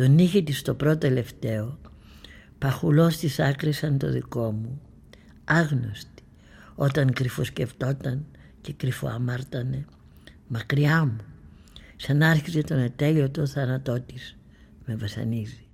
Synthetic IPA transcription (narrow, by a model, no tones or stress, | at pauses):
t̪o̞niçit̪ist̪o̞pɾo̞t̪oele̞ft̪e̞o̞ | pɐxulo̞st̪isɐkɾisɐnt̪o̞̰ðḭko̞mu | ɐɣno̞̰st̪i̥ | o̞t̪ɐŋkɾifo̞sce̞ft̪o̞t̪ɐn | ce̞kɾifo̰ɐ̰mɐɾt̪ɐne̞ | mɐkɾiɐmu | sɐnɐɾçize̞t̪o̞ne̞t̪e̞liot̪o̞θɐnɐt̪o̞t̪iz̥ | me̞vɐsɐ̰nizi